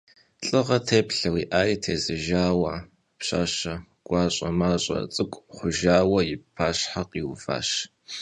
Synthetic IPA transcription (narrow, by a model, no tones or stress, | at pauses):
ɬʼɨʁɐtʰeːpɬɐwiːʔaːjitʰeːzɨʒaːwɐ | pɕa̰ːɕɐ | ɡ̥ʷɑːɕʼɐmaːɕʼɐ̰t͡sʼɨkʷʼχʷʊʒaːwɐjɪpʰaːɕħaqiwva̰ːɕ